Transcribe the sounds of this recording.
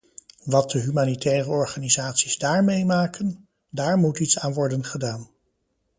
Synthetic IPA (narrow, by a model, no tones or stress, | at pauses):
ʋɑt̚dəɦymaːnitɛːrəɔɹχaːnizaːtsiz̥daːɹmejmaːkən | daːɹmutitsaːnʋɔɹdənχədaːn